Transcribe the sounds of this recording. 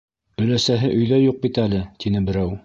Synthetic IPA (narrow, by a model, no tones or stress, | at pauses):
ɵ̆læsæɦɘʔɵ̆jðæjuq̚bit̪ælɘt̪inɘbɘ̆ɾæw